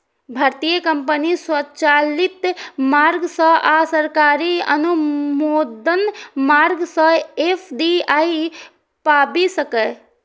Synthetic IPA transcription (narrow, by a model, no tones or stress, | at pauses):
bʱaɾt̪ijəkəmpəniswət͡ʃalit̪maɾɡsə̃ʔasəɾkaɾiə̰numoːd̪ənmaɾɡsə̃epʰd̪iai | pabisəkə